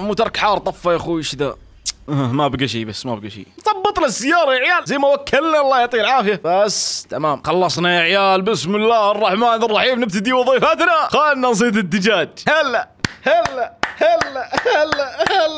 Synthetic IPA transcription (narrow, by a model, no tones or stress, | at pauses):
muːt̪ɑɾˤkħɑːɾˤt̪ˤɑfːɑjaxuʃɪða | ʔhmabaɡaʃ̬iːbasːmabaɡaʃḭːθˤɑbːɨt̪ˤnasːɪjːɑːɾˤɑjaʕjaːlzajmawakʰːalnalˤːɑːjɑt̪ˤiːɾʕaːfɪjabast̪amaːmxɑlːɑsˤnajaʕjaːlbʔɪsmɪlːaːhɑrˤːɑħmaːnɑrˤːɑħiːmnɪb̚t̪ad̪iwɨðˤiːfat̪naxaːɪnːans̬ˤiːt̪ɪnt̪ːɪd͡ʒaːd͡ʒhalːa | halːahalːaalːalː